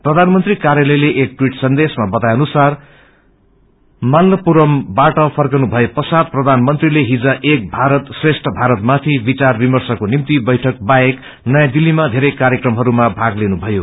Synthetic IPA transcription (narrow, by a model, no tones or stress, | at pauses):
prʌd̪ʱanmʌnt̪rikaɾjalʌjleʔek̚ʈwiʈsʌnd̪esmabʌt̪ajʌnusar | malːʌpuɾʌmbaʈʌpʰʌrkʌnubʱʌjepʌsad̪̚prʌd̪ʱanmʌnt̪rileɦid͡zaʔek̚bʱaɾʌt̪sresʈʰʌbʱaɾʌt̪̚mat̪ʰibit͡sarbimʌrsʌkonimt̪ibʌjʈʰʌk̚baek | nʌjad̪ilːimad̪ʱeɾʌjkaɾjekrʌmɦʌɾumabʱaɡlenubʱʌjo